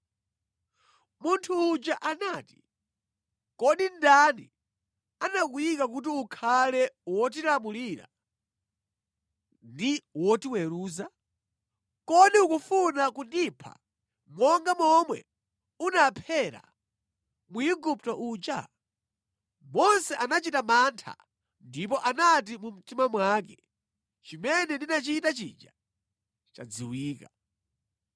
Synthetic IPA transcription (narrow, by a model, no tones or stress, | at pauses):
muntʰuːd͡ʒaʔanaːti̥ | kɔɗindanḭ | anakujikakut̬iukʰalɛwɔtilamuliɾa̰ | ndiwɔtiwɛɾuːza | kɔɗiukufunakundipʰa̰ | mwɔŋɡamɔmwɛ | unapʰɛɾa̰ | muiɡup̚tɔʔut͡ʃa | mɔnsɛʔanat͡ʃitamantʰa̰ | ndip̬ɔʔanat̬imum̩timamwak̬ɛ | t͡ʃimɛnɛndinat͡ʃitat͡ʃid͡ʒa̰ | t͡ʃa̰d͡ziwiːka